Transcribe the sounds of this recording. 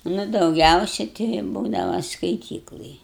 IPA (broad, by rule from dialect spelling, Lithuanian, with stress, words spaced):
nʊ dɐʊˈɡʲɛʊsʲɛ tʲɛɪ ɪ ˈbuːdɐʋɐ skɐɪˈtʲiːklˠɐj